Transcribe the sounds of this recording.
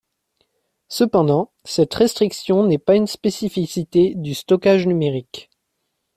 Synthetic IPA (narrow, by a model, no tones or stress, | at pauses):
səpɑ̃d̪ɑ̃ | sɛt̪ʁɛst̪χiksjɔ̃nɛpaynspesifisit̪ed̪yst̪ɔkaʒnymeʁik